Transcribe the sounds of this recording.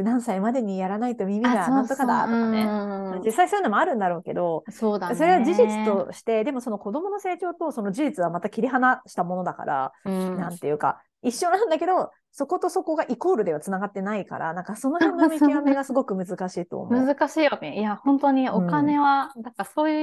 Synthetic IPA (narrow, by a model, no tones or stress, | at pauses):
nãɰ̃saimad̪e̞ɲ̟ijaɾanait̪o̞mimʲid̪aãnt̪okad̪a̰nead͡ʑisːaisoji̟nomo̞aɾɯ̟̃nd̪aɾo̞ːke̞̰d̪o̞soːd̪ajaso̞ɾe̞βad͡ʑiʑit͡sɨ̥t̪o̞ɕi̥t̪e̞d̪e̞mo̞so̞noko̞d̪o̞mo̞no̞se̞ːt͡ɕo̞ːt̪o̞so̞no̞d͡ʑiʑit͡sɨβamat̪akʲiɾʲiɦanaɕi̥t̪amo̞no̞d̪aka̰ɾʔa̰nãnt̪e̞jɯ̟ka̰ | iɕːo̞nãnd̪ake̞d̪o̞ | so̞ko̞t̪oso̞ko̞ɡaʔiko̞ːɾɯ̟d̪e̞βat͡sɨnaɡat̪ːe̞naika̰ɾʔa̰nãŋkaso̞no̞hẽnːomʲekiβameɡasɨɡo̞kɯ̟mɯ̟zɨkaɕiːt̪o̞̰ːmɯzɨkaɕiːβakejahõnt̪o̞ɲ̟iokane̞βanaŋkasoːjɯ